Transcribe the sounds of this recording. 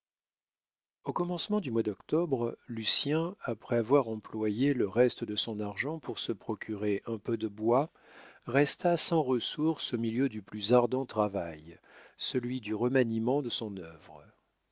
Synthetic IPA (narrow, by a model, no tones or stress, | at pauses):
okɔmɑ̃smɑ̃d̪ymwad̪ɔkt̪ɔbʁlysjɛ̃apχɛavwaʁɑ̃plwajeləʁɛst̪əd̪əsɔ̃naʁʒɑ̃puʁsəpχɔkʲʰyʁeʔɛ̃pød̪əbwa | ʁɛst̪asɑ̃ʁəsuʁsomiljød̪yplyzaʁd̪ɑ̃t̪χavaj | səlɥid̪yʁəmanimɑ̃d̪əsɔ̃nœvʁə